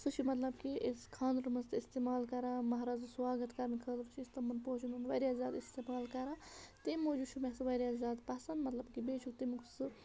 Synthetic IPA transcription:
sut͡ʃʰimɐt̪lɐbkiʔeskʰaːnd̪ɾmɐst̪ist̪emaːlkɐɾamɐɦɾaːzswaːɡɐt̪kɐɾɐnkʰɐd̪ɾt͡ʃʰiːst̪ɐmɐnpot͡ʃʰununʋɐjɾʲjaːzaːd̪ist̪emaːlkɐɾat̪emod͡ʒuʃʰumesɨʋɐjɾjazaːd̪pɐsɐnmɐt̪lɐbkibeːt͡ʃʰukt̪imuksɨ

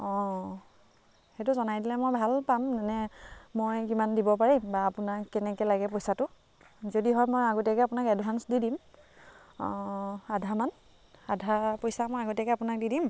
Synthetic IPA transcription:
ɔ̃ | xɛt̬ʊzɔnajdilɛmojbʱalpamzanɛmojkimandibɔpaɹimbaːpʊnakːɛnɛkɛlaɡɛpojsatʊ | zodiɦɔjmojaɡotakɛapʊnakɛdʱɦansdidim | adʱaman | adʱapojsamojaɡotɛkɛapʊnak̚didim

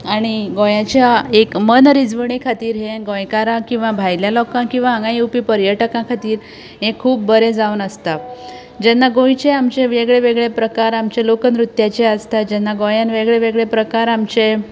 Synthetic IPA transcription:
aɽ̃iɡojãt͡ɕjaekmənɾid͡zʋəɳ̃ekʰat̪iːɾɦẽɡõjkaɾãkĩw̃ʋabʱajljalɔkãkĩw̃ʋaɦãŋɡãjupipəɾjəʈəkãkʰat̪iːɾ | ɦẽkʰuːp̚bəɾed͡zaunəst̪a | d͡ʑɛnːaɡõjt͡ɕeamt͡ɕeʋeɡɭeʋeɡɭepɾəkaɾamt͡ɕelokənɾut̪jat͡ɕeəst̪ad͡ʑɛnːaɡojanʋeɡɭeʋeɡɭepɾəkaɾamt͡ɕe

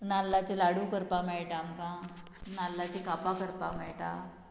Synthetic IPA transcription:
nalːat͡ɕelaɽukəɾpamɛɭʈaːmkã | nalːat͡ɕikapakəɾpamɛɭʈa̰

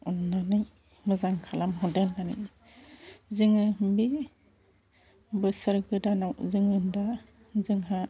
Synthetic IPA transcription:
unːanɯj | mɯzaŋkʰalamɦɔdenːanɯ̰j | zɯŋɯnbi | bɯsɯɾɡɯdanawzɯŋɯnda | zɯŋɦa

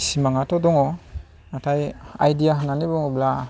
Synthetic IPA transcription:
simaŋatɔdɔŋɔ | natʰajajdijaɦɯnːanibɔŋɔbla

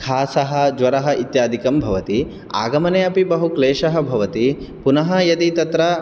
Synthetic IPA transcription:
kʰaːsɐɦɐ̆d͡ʒʋɐɾɐɦɐ̆ʔit̪jaːd̪ʱikɐmbʱɐʋɐt̪i | a̰ːɡɐmɐneːɐpibɐɦukleːʃɐɦɐ̆bʱɐʋɐt̪ipunɐɦɐjɐd̪it̪ɐt̪ɾɐ

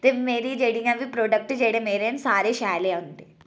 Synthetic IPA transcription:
t̪emeːɾiːd͡ʒeɽijãʋiːpɾoːɖək̚ʈd͡ʒeɽemeːɾensaːɾeɕajleɦõnt̪e

